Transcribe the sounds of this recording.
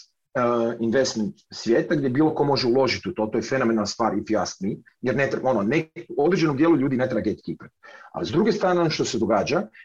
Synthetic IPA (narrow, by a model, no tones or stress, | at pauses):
inʋest̪ment̪sʋʲjeːt̪aɡd̪jebiːlˠo̞ko̞mo̞ʒeulˠo̞ʒit̪iut̪o̞t̪o̞jefe̞nomenalˠnst̪a̰ːɾit̪ijasmi | jeɾnet̪ɾeo̞noneod̪ɾed͡ʒe̞nomd̪jeːluʎuːd̪ine̞t̪ɾebaɡet̪i̥kipe̥t̪̚a̰zd̪ɾuɡest̪ɾaːneonoʃt̪o̞sed̪o̞ɡaːd͡ʒa